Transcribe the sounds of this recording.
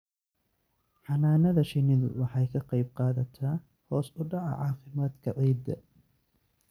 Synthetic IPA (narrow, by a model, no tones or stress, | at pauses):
ħɑnaːnɐðɐʃɪnɪðʊ̰wɑħɑjkʰɐqɑjb̚qɑːðɐt̪ʰɐ | hɔːsʊɖɑʕɑ̰ʕɑːfɪmaːd̪kʰɐʕiːd̪ɐ̰